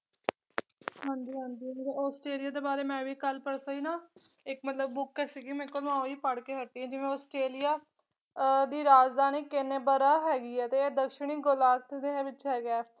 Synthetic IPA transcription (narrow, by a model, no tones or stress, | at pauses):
ɦãːnd͡ʒ̪iːɦãːnd̪iːmɾeɔːsʈɾeːlijaːd̪eːbaːɾeːmɛ̃ːʋiːkəlpəɽsaːiːnãː | ɪkmət̪ləb̚ːʊkːɛːsiɡiːmɛ̃kːolʋãːoiːpəɽkeːɦəʈːiːɛ̃ːd͡ʒɪʋẽːɔːsʈɾeːlijaː | d̪iːɾaːd͡ʒd̪aːniːkːɪneːbəɾaːɦɛːɡiːɛːt̪eːd̪əkʃɪɳ̃iːɡʊlaːk̚t̪d̪eʋɪt͡ʃɦɛːɡɛː